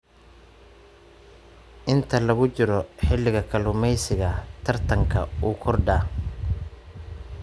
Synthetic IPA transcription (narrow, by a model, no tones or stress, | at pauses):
ʔɪnt̪ʰɐlɐɣʊt͡ʃɪɾɔħɪlɪɣɐkʰɐlʊmɛjsɪɣɐt̪ʰɐrt̪ʰɐŋkʰɐ̰uːkʰɔrɖaː